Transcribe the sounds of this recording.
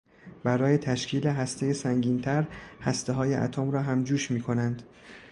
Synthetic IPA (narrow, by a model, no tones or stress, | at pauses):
bæɾɒːje̞t̪ʰæʃcʰiːleɦæst̪ʰe̞jesæŋɟiːnt̪ʰæɾhæst̪eɦɒːjeʔæ̰t̪ʰoːmɾɒːɦæmd͡ʒuːʃmiːkʰo̞nænd̪̥